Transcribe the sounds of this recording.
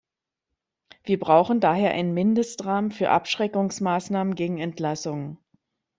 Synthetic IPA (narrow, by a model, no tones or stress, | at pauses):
v̥iːɐbʁaʊxn̩daːɦeːɐʔa̰ɪnənmɪndəstʁaːmənfyːɐʔa̰pʃʁ̥ɛkʊŋsmaːsnaːmənɡeːɡŋ̩ɛntlasʊŋən